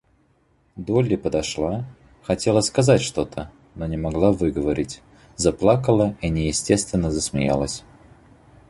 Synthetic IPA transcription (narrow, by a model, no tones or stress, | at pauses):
d̪olʲɪpəd̪ɐʂlˠa | xɐtʲe̞lˠəskɐzatʲʂt̪o̞t̪ʰə | nonʲɪmɐɡlˠavɨɡəvɐɾʲɪtʲ | zaplˠakəlˠəinʲɪjɪsʲtʲe̞st̪vʲɪnːəzəsmʲɪ̰ja̰lˠəsʲ